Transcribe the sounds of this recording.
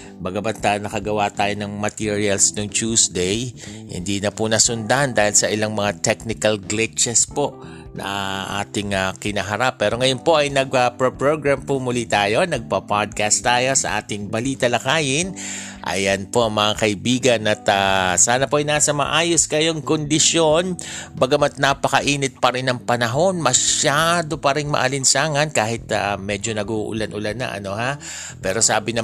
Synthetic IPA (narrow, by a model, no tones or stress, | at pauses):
bɐɡɐbɐnt̪anɐkɐɡɐwat̪aːjo̞nɐŋmɐt̪iɹiɐlsnoŋt͡ʃuːsd̪ɛjhɪ̰nd̪inɐpʊnɐsʊnd̪and̪aːhɪlsɐʔɪlaŋmɐŋat̪ɛk̚nɪkɐlɡlɪt͡ʃɛspo̞ʔ | nɐ̰aʔa̰ːt̪ɪŋɐkɪnɐɦɐɾapːɛːɾo̞ŋɐjonpo̞ʔɐjnɐɡ̚ɐpɹopɹoɡɹampʊmʊlit̪aːjo̞nɐɡ̚pɐpad̪̚kast̪ːaːjo̞sɐ̰ʔaːt̪ɪŋbɐliːt̪ɐlɐkaːjɪn | ʔɐ̰jɐnpo̞ʔɐŋmɐŋakɐʔɪbiːɡɐnɐt̪asaːnɐpoʔɐjnaːsɐmɐ̰ʔaːjoskɐjoŋkond̪ɪsjo̞nbɐɡɐmɐt̪̚napɐkɐʔiːnɪt̪̚pɐɾɪnɐŋpɐnɐɦo̞nmɐʃad̪o̞pɐɾɪŋmɐ̰ʔɐ̰lɪnsaːŋɐnkaːhɪt̪a̰mɛd͡ʒo̞nɐɡuʔʊ̰lanʔʊlanːɐ̰ʔɐ̰no̞ha | pɛːɾo̞saːbɪnɐ